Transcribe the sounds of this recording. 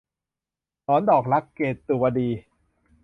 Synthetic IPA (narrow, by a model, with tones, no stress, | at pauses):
t̪ɔː˦˥ndɔː˨˩k̚ɾa˦˥kːeː˨˩t̪ːu˨˩wa˧diː˧